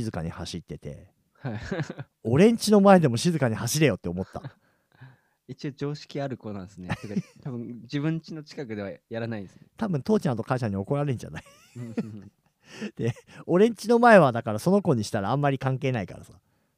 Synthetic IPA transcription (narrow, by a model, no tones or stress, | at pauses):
izɨkaɲ̟ihaɕit̪ːe̞t̪e̞̰ | hai | o̞ɾẽ̞ɲ̟t͡ɕino̞mae̞d̪e̞mo̞ɕizɨkaɲ̟ihaɕiɾe̞jo̞t̪ːe̞o̞mo̞t̪ːa̰ | it͡ɕio̞d͡ʑo̞ːɕi̥kʲiaɾɯ̟konãnsɨnekat̪abɯ̟̃d͡ʑibɯ̟̃ɲt͡ɕino̞t͡ɕi̥kakɯ̟d̪e̞βajaɾanaĩnd̪esɨet̪abɯ̟̃nt̪oːt͡ɕãt̪o̞kaiɕaɲ̟io̞ko̞ɾaɾe̞ɲ̟d͡ʑa̰nai | d̪̥e̞o̞ɾẽ̞ɲ̟t͡ɕino̞mae̞β̞ad̪akaɾaso̞no̞ko̞ɲ̟iɕi̥t̪aɾaãmːaɾʲikãŋke̞ːnaika̰ɾa̰sḁ